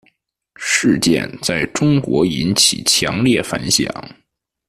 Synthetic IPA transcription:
ʂɻ̩˥˧t͡ɕjɛ̰˥˧nt͡sa˥˩ɪʈ͡ʂʊ˥ŋkwɔ˧˥i˧˥nt͡ɕʰḭ˨˩t͡ɕʰjɑ˧˥ŋljɛ˥˩fa̰˧˥nɕjɑ̰˨˩˦ŋ

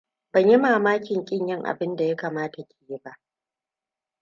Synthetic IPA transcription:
bɐ˨ɲji˦maː˨maː˦kʲɪ˨ŋkʲʼɪ˦ɲjɪ˦ŋʔa̰˨bɪ˦nda˨ja˦kaː˨maː˦ta˨kʲeː˨ji˦ba˦ʔ

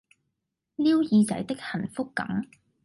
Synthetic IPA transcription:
liː˥wjiː˧t͡sɐ̰˨˥jt̪ɪ˥k̚hɐ˨˩nfʊ˥kːɐ̰˨˥m

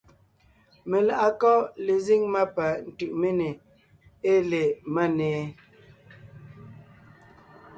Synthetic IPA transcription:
me˨la˨ʔa˨kɔ˦le˨zi˦ŋma˦pa˨n̩˨tʉ˨ʔme˦ne˨ | e˦le˨ma˦nɛː˨˦

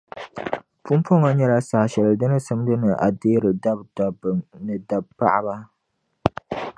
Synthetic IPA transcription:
pu˦m˦pɔ˦ŋɔ˦ɲɛ˦la˦sa˨ʃɛ˨lɨ˨dɨ˦nɨ˦sɨ˦mdɨ˦nɨ˨ʔa˨deː˦ɾɨ˨da˦bda˨bnɨ˨da˨b̚pa̰˦ʔba˦

